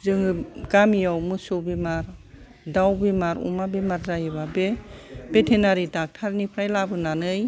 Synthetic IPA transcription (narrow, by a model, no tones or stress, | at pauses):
zɯŋɯɡamijawmɯsobemaɾ | dawbemaɾṵmabemaɾzajɯβabeb̥etʰenaɾidak̚tʰaɾnipʰɾajlabɯnanɯj